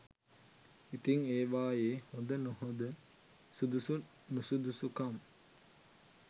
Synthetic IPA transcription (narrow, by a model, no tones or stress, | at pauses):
it̪iŋeːʋaːjeːhond̪ənhod̪ə | sud̪usu | nusud̪usukam